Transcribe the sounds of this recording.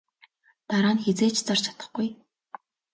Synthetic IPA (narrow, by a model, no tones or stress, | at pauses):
t̪aɾaːnxet͡seːt͡ɕʰt͡sɔrt͡ɕʰḁt̪ə̥̆χɡuj